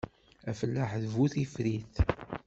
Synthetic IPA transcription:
æfəlːaħðvuθifɾiθ

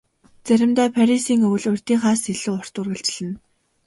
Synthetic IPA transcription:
t͡sæɾʲɪ̆mt̪æːpʰæɾisiːŋɵw̆ɮʊrʲt̪iːŋχaːsiɮuːɔr̥t̪ʊrɣɘ̆ɬt͡ɕ̆ɮɘ̆n

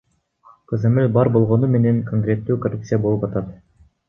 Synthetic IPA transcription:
qʰozemelʲbɑɾbo̞lˠʁo̞nume̞ne̞ŋkʰoŋkrʲe̞t̪ːyːkorup̚t̪sɨjabo̞lˠɯpɑt̪ɑt̪

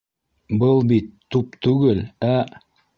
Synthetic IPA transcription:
bɤlˠbit̪ːup̚t̪ʰʉɡɘlæ

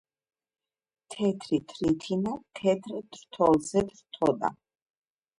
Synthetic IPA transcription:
t̪ʰɛt̪ʰɾit̪ʰɾit̪ʰinat̪ʰɛt̪ʰɾd̪̥ɾt̪ʰɔlzɛd̪ɾt̪ʰɔd̪a̰

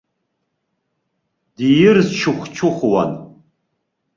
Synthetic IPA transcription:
dijɪrzt͡ʃʰʊχʷt͡ʃʰʊχwa̰n

